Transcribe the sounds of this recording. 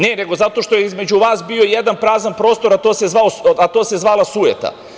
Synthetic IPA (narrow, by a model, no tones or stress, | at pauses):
ne̞ne̞ɡo̞zat̪o̞ʃt̪o̞jeizme̞d͡ʑuʋaːsbiːo̞jed̪anpɾaːzanpɾo̞ːst̪o̞ɾat̪o̞ːse̞zʋaoat̪o̞ːse̞zʋaːlasujḛt̪a̰